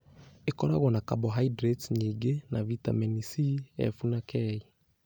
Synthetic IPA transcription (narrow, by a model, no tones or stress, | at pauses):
ekɔɾaɣwɔnakabɔɦaidɾɛtsɲiɡenavita̰mɛnisiɛ̰funakʰɛi